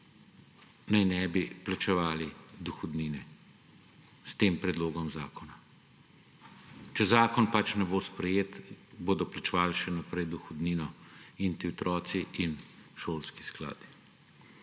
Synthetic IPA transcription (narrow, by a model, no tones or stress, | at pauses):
najnɛbiplat͡ʃɛʋaːlid̪uxɔd̪niːnɛ | st̪eːmpɾɛd̪loːɡɔmzaːkɔna | t͡ʃɛzaːkɔnpat͡ʃnɛboːspɾɛjeːt̪boːd̪ɔplat͡ʃɛʋaːlʃɛnapɾɛjd̪uxɔd̪niːnɔint̪iɔt̪ɾɔːt̪siʔinʃoːlski̥skla̰ːd̪i